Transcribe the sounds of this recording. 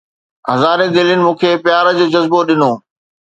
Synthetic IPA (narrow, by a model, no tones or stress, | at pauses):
ɦɐzaːɾed̪eːljʊnɪ̆mũːkʰeːpɪjaːɾəd͡ʑoːd͡ʑɐzboɗɪnoː